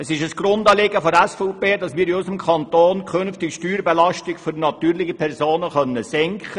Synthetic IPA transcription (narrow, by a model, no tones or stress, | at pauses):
əsɪʃəsɡ̥rʊndɑːleːɡəfɔɾɛsfɔːpeːdɑsmɪːɾɪʊsəmkʰɑnt̪oːnkʰχønftɪkʃtyːɾbɛlɑʃtɪkføɾnɑt̪yːɾlɪχipʰɛrɾzoːnəχœnːəsɛŋkχə